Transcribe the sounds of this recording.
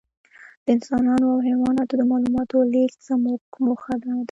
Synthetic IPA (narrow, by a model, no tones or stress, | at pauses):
d̪̥əɪnsɑnɑnoawɦenwɑnɑt̪od̪əmɑlumɑt̪olikt͡səmuɡmuxad̪anad̪a